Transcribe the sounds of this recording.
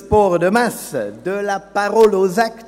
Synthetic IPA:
pɔʁd̪əmasd̪əlapaʁɔlozakt̪

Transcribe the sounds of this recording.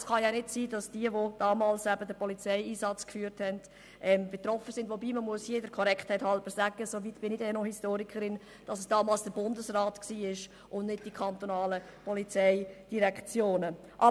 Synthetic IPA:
sχɑjɑnɪtsiːdɑsd̥iəʋod̥ɑːmɑːlsæbədəpɔlit͡sɛɪiːsɑt͡skfyːəɾthɛnd̥ | ʔɛmbetrɔfəsɪndvobiːməmuəsjeːdəkʰɔɾɛkχthɛɪthɑlbəsæɡəsovitb̥ɪnidɛnohistoːɾikʰəɾɪn | d̥ɑsəsd̥ɑːmɑːlsd̥əbʊndəsraːtksiːɪʃ | ʔʊnnɪd̚d̥ikʰɑnt̪onɑːlə | pɔlit͡sɛɪd̥iɾɛkt͡sjoːnə | ʔɑ

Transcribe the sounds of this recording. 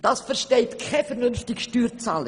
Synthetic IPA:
d̥ɑːsfɛɾʃtɛɪtkʰɛfɛɾnʏnftɪkʃtyːɾt͡saːlə

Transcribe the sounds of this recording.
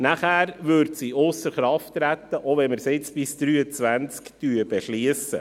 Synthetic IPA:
næχæːɾʋɵɾtsiʊsəɾχɾɑftːɾæt̪ːəʔoʋɛnməɾsɪt͡sb̥ɪsd̪̥ɾyːət͡sʋænt͡skt̪yːəb̥ɛʃliəsə̰

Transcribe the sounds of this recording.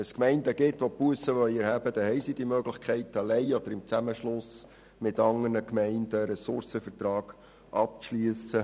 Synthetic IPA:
ɛskmɛɪnd̪əɡɪtʋopuəsəʋœʏɛɾhæbəd̥̪ɛhɛɪsid̥̪imøɡlɪχkʰχɛɪtɑlɛɪɔd̥̪əɾɪmt͡sæməʃlʊs | mɪtɑŋərnəkmɛɪndəɾɛsʊɾsəfəɾtɾɑːɡ̥ | ʔɑp̚t͡sʃlyəsə

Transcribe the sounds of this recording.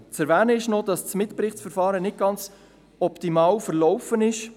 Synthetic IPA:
t͡sɛɾvæːnəɪʃnodɑst͡smɪt̪pɾɪχt͡sfəɾfɑːɾənɪt̚ɡ̥ɑnt͡s | ɔpt̪imɑːwfəɾlɔwfənɪʃ

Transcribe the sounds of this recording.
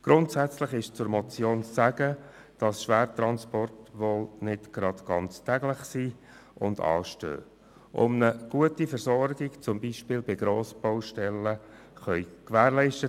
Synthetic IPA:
ɡ̥ɾʊntsæt͡sləχɪʃt͡sʊɾmɔt͡sjoːnt͡ssæɡ̥ə | d̥ɑsʃʋæːɾt̪ɾɑnspɔrtʋoːlnɪtɡ̥ɾɑdɡ̥ɑnt͡stæɡlɪχsiː | ʊ̰ndɑ̰ːʃtø̰ː | ʔʊ̰mnəɡ̥uətifəɾsɔɾɡɪkt͡sʊmbiːʃpɪːlbɪɡɾoːsb̥owʃtɛlːə | χœʏkʋæːɾlɛɪʃtə

